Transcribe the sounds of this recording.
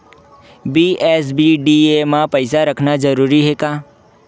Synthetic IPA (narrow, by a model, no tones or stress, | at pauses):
biːɛːs̬biɖiemãpɐɪsaɾɐkʰnad͡ʒɐɾuːɾiɦɛkaː